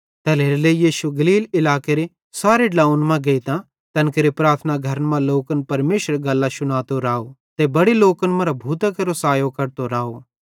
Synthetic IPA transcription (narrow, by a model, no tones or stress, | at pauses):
t̪eɛleːɾlejiːʃuɡɐliːlɪlaːkeɾe | saːɾeɖlaːʊnmãɡɐit̪ã | t̪ɐnkeɾepɾaːɾt̪ʰnaɡʱɐɾənmãloːkənpɐɾmeːʃəɾɡɐlːaʃʊñaːt̪oɾaːot̪ebɐɽeloːkənmɐ̃ɾabʱuːt̪akɐɾosaːjokɐɾt̪oɾaːo